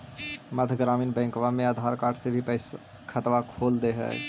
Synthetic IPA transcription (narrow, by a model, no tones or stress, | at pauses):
məd̪ʱɡɾaːmiːnbɛ̃ːkʋamẽaːd̪ʱaːɾkaːʈʰsebʱipɛɪs | kʰət̪ʋakʰoːld̪eɦɛ̰ː